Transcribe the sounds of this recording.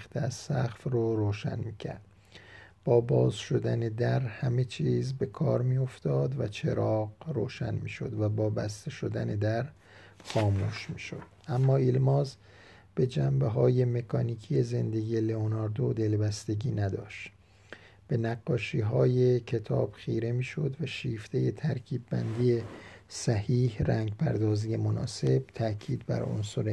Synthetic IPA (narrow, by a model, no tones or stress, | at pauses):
xt̪ʰeæz̥sæxfroɾoːʃæ̰nmiːcʰæ̰ɾd̪̥ | b̥ɒːbɒːzʃo̞d̪æne̞d̪æɾhæme̞t͡ʃʰiːzbe̞kʰɒːɾmijo̞ft̪ɒːd̪væt͡ʃʰe̞ɾɒːɢro̰ːʃæ̰nmiːʃo̞̰d̪væbɒːbæst̪e̞ʃo̞d̪æne̞d̪æɾ | xɒːmuːʃmiːʃod̪̥ʔæmːɒːilmɒːz | b̥e̞d͡ʒæmbeɦɒːje̞me̞kʰɒːniːkʰije̞ze̞nd̪e̞ɡijeleonɒːɾd̪od̪e̞lbæst̪e̞ɟiːnæd̪ɒ̰ːʃt̪ | b̥e̞næɡːɒːʃiːɦɒːje̞cʰe̞t̪ʰɒ̰ːb̥χiːɾe̞miːʃo̞d̪væʃiːft̪ʰe̞je̞t̪ʰæɾkʰiːbːænd̪ije̞sæhiːhræŋɟpʰæɾd̪ɒːziːje̞monɒ̰ːse̞b̥̚t̪ʰæʔcʰiːd̪bæ̰ɾo̰nsoɾe